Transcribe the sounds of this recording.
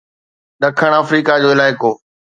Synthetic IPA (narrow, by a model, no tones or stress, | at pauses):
ɗɐkʰəɽ̃əːfɾiːkad͡ʑoːɪlaːɪkoː